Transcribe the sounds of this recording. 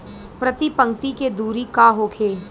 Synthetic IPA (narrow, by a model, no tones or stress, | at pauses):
pɾɐt̪ipɐ̃ŋk̚t̪iked̪uːɾikaːɦoːkʰeː